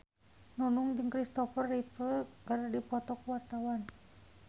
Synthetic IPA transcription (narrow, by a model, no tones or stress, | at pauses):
nunuŋd͡ʒɨŋkɾist̪ɔfərit̪əkaɾdipɔt̪ɔkəwat̪awan